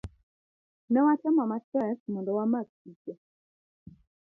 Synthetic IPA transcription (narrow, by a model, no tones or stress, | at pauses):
nɛwatɛmamatɛsmɔndɔwamak̚ikɛ